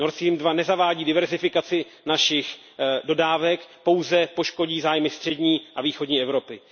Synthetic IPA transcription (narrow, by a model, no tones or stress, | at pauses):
noɾsimdvanɛzavaːɟiːdɪvɛɾzɪfɪkat͡sɪ | naʃɪx | do̞daːvɛkpo̞wzɛpo̞ʃko̞ɟiːzaːjmɪst̪r̥ɛdɲiːʔaviːxo̞dɲiːʔɛvɾo̞pɪ